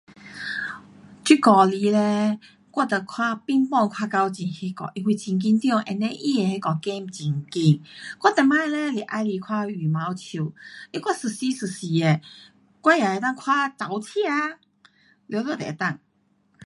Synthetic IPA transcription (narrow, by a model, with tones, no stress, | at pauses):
t͡ɕi˧˥kɔ˨˧li˧˦lɛ˧ | kwɔ˥˧˩t̪ə˨˩kʰwa˧pi˧˥ŋpɔ˥˧ŋkʰwa˧ka˧wt͡ɕi˧˩nhi˧˥kɔ̰˨˩ʔi˧wi˧t͡ɕi˧ŋk̬i˧nt̪jɔ˥˧ŋʔɛ̰˧˨nɛ˧˦ʔi˦˧˨e˨he˦kɔ˨kɛ˦mt͡ɕi˧ŋki˧˩nkwɔ˥˩t̪ɛ˧˩ma˦˧lɛ˦li˨˩ʔa˧jli˧kʰwa˦˧y˨˩ma˧˦wt͡ɕʰu˧˩˨i˦kwa˥˩sɨ˨˩si˧˦sɨ˨˩si˨˩e˨˩ | kwa˧˦ja˨e˧˦t̪a˥˩˨ŋkʰwa˦t͡sa˨˩wt͡ɕʰi˧˦a˧ | ljo˧˦t̪ɔ˧t̪ɛ̰˨˧t̪a˥˧˨ŋ